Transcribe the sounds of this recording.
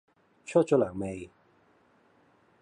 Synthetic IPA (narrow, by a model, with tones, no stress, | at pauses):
t͡ʃʰɔ˥t̚t͡ʃɔ˧˥laː˨˩ŋme˨˧j